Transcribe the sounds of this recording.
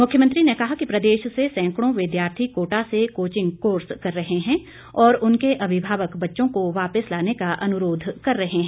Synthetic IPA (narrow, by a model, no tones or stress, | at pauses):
mʊkʰjəmə̃nt̪ɾinekɐɦakipɾɐd̪eːʃsesɛ̃ːŋkɽ̃õʋɪd̪jaːɾt̪ʰikoːʈasekoːt͡ʃɪ̃ŋɡkoːɾskɐɾːɐɦeɦɛ̃ | ɔːɾʊnkeʔɐbʱɪbʱaːʋəkbɐtːʃõkoʋaːpəslaːnekaʔɐnʊɾoːd̪ʱkɐɾːɐɦeɦɛ̃ː